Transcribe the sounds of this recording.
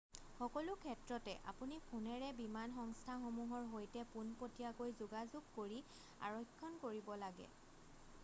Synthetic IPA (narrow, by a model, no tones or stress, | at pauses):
xɔkɔlʊkʰɛtɹɔtɛʔa̰punipʰunɛɹɛbimanxɔŋstʰaxomuɦɔɹɦojtɛpunpotijakojzʊɡazuɡkoɹi | a̰ɹɔkʰːɔnkoɹibɔlaɡɛ̰